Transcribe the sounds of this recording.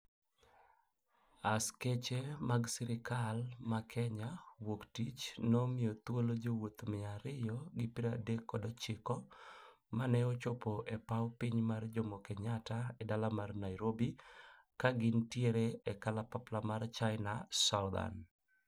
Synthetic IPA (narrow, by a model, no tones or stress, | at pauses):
asket͡ʃemaɡsɪɾɪkalmakʰɛɲawoktit͡ʃnɔmɪjot̪wolod͡ʒowot̪mɪaɾɪjɔɡɪpɪɾadekːɔdɔt͡ʃɪkɔ | manɛɔt͡ʃopoʔɛpawpiɲmard͡ʒomɔkɛɲataɛdalamarnajɾobi | kaɡɪntjeɾeɛkalapaplamart͡ʃaɪnasawd̪a̰n